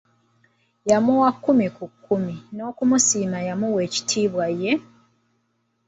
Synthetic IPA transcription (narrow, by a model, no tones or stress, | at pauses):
jamuwakːumikukːumino̞ːkumusiːmajamuwe̞ːci̥tʰiːβwajːe̞